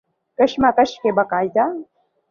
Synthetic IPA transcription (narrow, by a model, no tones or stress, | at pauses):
kɐʃmakɐʃkebɐkaːjd̪a